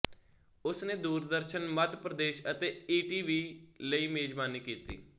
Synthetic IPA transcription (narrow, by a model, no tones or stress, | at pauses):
ʊsneːd̪uːɾd̪əɾʃənmət̪pɾəd̪eːʃət̪eːiːʈiːʋiːləiːmeːd͡ʒbaːniːkiːt̪ḭː